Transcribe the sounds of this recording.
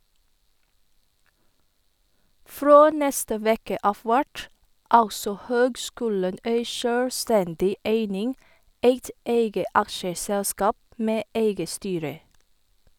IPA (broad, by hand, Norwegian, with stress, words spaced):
ˈfɾoː ˈnɛstə ˈʋeːkə ˈɑːf ˈʋæʈ ˈɑlsɔ ˈhøːɡˌskʉːlən ˈeɪ ˈʃøːɽˌstɛndɪ ˈeɪnɪŋ ˈeɪt ˈeɪɡə ˈɑkʃəˌsɛlskɑːp ˈmeː ˈeɪɡə ˈstyːɾə